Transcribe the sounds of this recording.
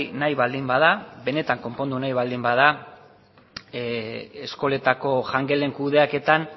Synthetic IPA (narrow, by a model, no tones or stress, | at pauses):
najβald̪imbað̞aβe̞ne̞t̪aŋko̞mpo̞nd̪unajβald̪imbaða | esko̞le̞t̪ako̞ʝaŋɡe̞le̞ŋkuðe̞ake̞t̪an